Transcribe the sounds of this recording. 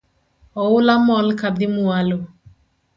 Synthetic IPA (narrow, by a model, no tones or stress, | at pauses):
ɔʊlamɔlkad̪ɪmualo